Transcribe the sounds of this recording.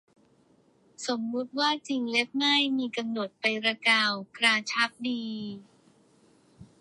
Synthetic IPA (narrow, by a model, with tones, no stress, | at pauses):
so˩˦mːu˦˥t̪̚waː˥˩t͡ɕi˧ŋle˦˥p̚na˥˩jmiː˧ka˧mno˨˩t̪̚pa˧jɾa˧kaː˧wkɾaː˧t͡ɕʰa˦˥p̚diː˧